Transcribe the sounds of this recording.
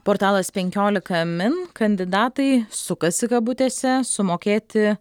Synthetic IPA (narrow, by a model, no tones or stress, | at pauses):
poːɾt̪ɑːlˠɐspʲɛŋʲkʲoːlʲɪkɐmʲɪnkɐnʲd̪ʲɪd̪ɑːt̪ɐɪsʊkɐsʲɪkɐbʊt̪ʲeːsʲɛsʊmoːkʲeːt̪ʲɪ